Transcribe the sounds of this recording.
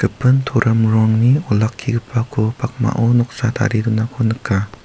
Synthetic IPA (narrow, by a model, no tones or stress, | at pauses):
ɡ̥ɯpʰɯnt̪ʰoɾʔɐmɾɔŋniɔlakʰːiɡɯpʰakʰopʰak̚ma̰ʔɔnɔk̚sat̪ʰa̰ɾidunakʰonɯkʰːa